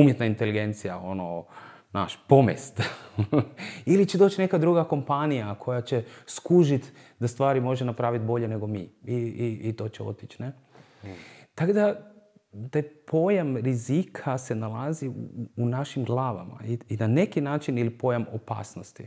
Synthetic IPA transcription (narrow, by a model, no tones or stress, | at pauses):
umjet̪naint̪eliɡe̞nt̪sijao̞no | na̰ːʃpo̞mḛst̪ | ilit͡ʃed̪ot͡ʃne̞kad̪ɾuɡako̞mpanijakʰo̞jat͡ɕeskuʒit̪ | d̪ast̪ʋaːɾimo̞ʒenapɾaːʋit̪̚bo̞ʎene̞ɡo̞miːiiːt̪o̞t͡ɕeo̞̰t̪it͡ʃne | t̪akod̪a | t̪aːjpʰo̞jamɾizikʰase̞nalˠaziuːnaʃimɡlˠaːʋama̰iinane̞kinaːt͡ʃinilipojamopa̰ːsnost̪ḭ